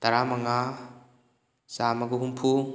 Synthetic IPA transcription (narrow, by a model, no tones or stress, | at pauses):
t̪ɐɾamɐŋa | samɐɡuɦumpʰu